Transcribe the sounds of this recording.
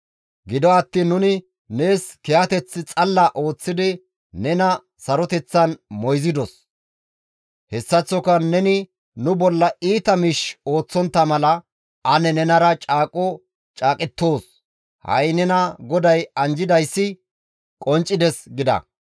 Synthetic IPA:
ɡɪd̪ɔɐt̪ːiːnːʊnɪ | ne̞ːskɛɐt̪ɛt͡sːɪt͡sʼɐlːɐʔo̞ːt͡sːɪd̪ɪ | nɛnɐ | sɐɾɔt̪ɛt͡sːɐnmɔjzɪd̪ɔs | hɛsːɐt͡sːɔkɐnɛnɪ | nʊbɔlːɐiːt̪ɐmɪʃo̞ːt͡sːɔnt̪ːɐmɐlɐ | ɐnɛnɛnɐɾɐt͡ʃʼaːkʼːɔ | t͡ʃʼaːkʼɪt̪ːo̞ːs | hɐ̰jnɛnɐɡɔd̪ɐjɐnd͡ʒɪd̪ɐjsːɪ | kʼɔnt͡ʃʼːɪd̪ɛsɡɪd̪ɐ̰

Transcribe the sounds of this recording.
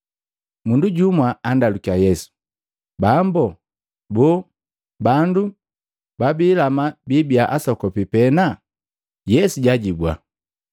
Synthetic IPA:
munduɟumwaandalukiajɛsu̥ | bambɔ | bɔ | bandu | babilamabibiaʔasɔkɔpipɛna | jɛsuɟaɟibwa̰

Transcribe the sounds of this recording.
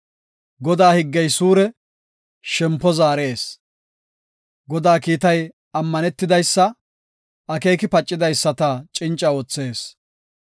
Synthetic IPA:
ɡɔd̪aːhɪɡːɛjsuːɾɛ | ʃɛmpːɔzaːɾeːs | ɡɔd̪aːkiːt̪ɐj | ɐmːɐnɛt̪ːɪd̪ɐjsːɐ | ʔɐke̞ːkɪpɐt͡ʃʼːɪd̪ɐjsːɐt̪ɐt͡ʃʼɪnt͡ʃʼːɐoːt͡sːe̞ːs

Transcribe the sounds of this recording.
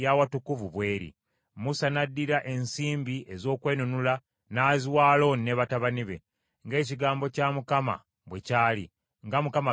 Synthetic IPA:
jawatukuvuβwe̞ːɾḭ | musanadːiɾaʔe̞nsiːmbiʔe̞zo̞ːkwe̞ːnunula | naːziwaːlo̞nnːeβataβaniβe̞̰ | ŋɡe̞ːciɡaːmbo̞camukama̰ | βwe̞calḭ | ŋɡamukama

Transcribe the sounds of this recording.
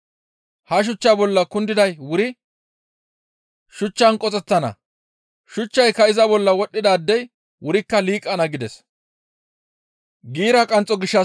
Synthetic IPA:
hɐʃ̬ʊt͡ʃːabɔlːɐkʊnd̪ɪd̪ɐjwʊɾɪ | ʃʊt͡ʃːɐnkʼɔt͡sʼɛt̪ːɐnɐ̰ | ʃʊt͡ʃːɐjkɐɪzɐbɔlːɐwɔɗːɪd̪aːd̪ːɛj | wʊɾɪkːɐliːkʼːɐnɐɡɪd̪ɛs | ɡiːɾɐkʼɐnt͡sʼːɔɡɪʃːɐ

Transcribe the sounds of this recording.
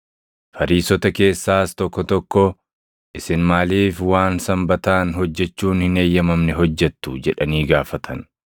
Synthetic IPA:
fɐɾiːsɔt̪ɐke̞ːsːaːst̪ɔkːɔt̪ɔkːɔ | ʔɪsɪnmaːliːfwaːnsɐmbɐt̪aːnɦɔd͡ʒːɛt͡ʃːuːnhɪne̞ːjːɐmɐmnɛɦɔd͡ʒːɛt̪ːʊd͡ʒɛᶑɐniːɡaːfɐt̪ʰɐn

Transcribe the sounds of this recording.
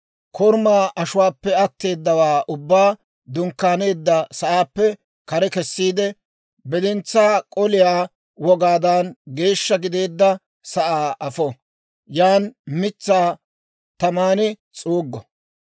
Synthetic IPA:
kʰɔɾmaːʔɐʃʊwaːpːɛɐt̪ːe̞ːd̪ːɐwaːʔʊbːaː | d̪ʊŋkːaːne̞ːd̪ːɐsɐʔaːpːɛ | kɐɾɛkɛsːiːd̪ɛ | bɛd̪ɪnt͡sːaːkʼɔlɪjaː | wɔɡaːd̪ɐnɡe̞ːʃːɐɡɪd̪e̞ːd̪ːɐ | sɐʔaːʔɐfɔ | jaːnmɪt͡sːaː | t̪ɐmaːnɪ | t͡sʼuːɡːɔ

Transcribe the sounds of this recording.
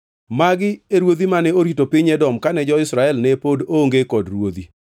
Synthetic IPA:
maɡɪeɾwod̪imanɛoɾitopɪɲɛdɔmkanɛd͡ʒɔɪsɾaɛlnɛpodoŋɡekɔdrwod̪i

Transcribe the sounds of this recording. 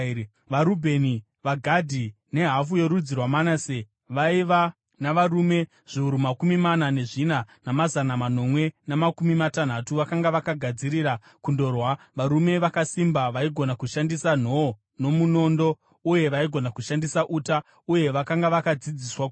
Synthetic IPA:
ʋaɾubʱe̞ni | ʋaɡʱadʱi | ne̞ɦaf̬uje̞ɾud͡zirwamanase | ʋaiʋa | naʋaɾume̞ | ʐ̥iuɾumakumimanane̞ʐinanamazanamano̞mwe̞namakumimatan̤atuʋakaŋɡaʋakaɡʱad͡ziɾiɾa | kundo̞rwa | ʋaɾume̞ʋakasimbaʋaiɡʱo̞nakuʃandisan̤o̞o | no̞muno̞ndo̞ | uje̞ʋaiɡʱo̞nakuʃandisaʔuta | uje̞ʋakaŋɡaʋakad͡zid͡ziswa

